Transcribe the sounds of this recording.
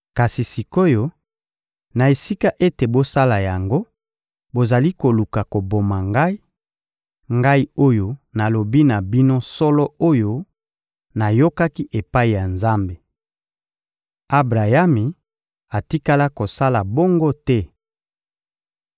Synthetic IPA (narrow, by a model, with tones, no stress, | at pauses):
ka˨si˨si˨ko˦jo˦ | na˨e˨si˦ka˦ʔe˦te˨bo˦sa˦la˨ja˨ŋɡo˦ | bo˨za˨li˦ko˨lu˨ka˨ko˨bo˨ma˨ŋɡa˦i˦ | ŋɡa˦i˦o˦jo˦na˨lo˨bi˦na˨bi˦no˦sɔ˦lɔ˦o˦jo˦ | na˨jo˦ka˦ki˦ʔe˨pa˦i˨ja˨nza˦mbe˨ | a˦bʁa˨ja˦mi˨ | a˨ti˦ka˦la˦ko˨sa˦la˨bo˦ŋɡo˦tɛ˦